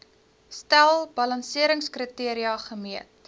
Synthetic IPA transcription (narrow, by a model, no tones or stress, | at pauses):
stælˠbɐlɐnsiəɾəŋskrətiəɾiɐχəmiət̚